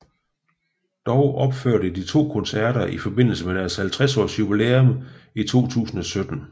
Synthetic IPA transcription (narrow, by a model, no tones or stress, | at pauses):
d̥ɒʊʔɒ̽b̥føɐ̰ɾəd̥it͡sʰo̝̰ːkʰɔ̽nsæɐ̰ɾɐʔifɒ̽be̝n̰l̩səmeɾ̥æɐshælt͡sʰʁɛsɒ̰ːsjubileomit͡sʰo̝̰ːt͡sʰṵːsn̩ɒ̽sød̥n̩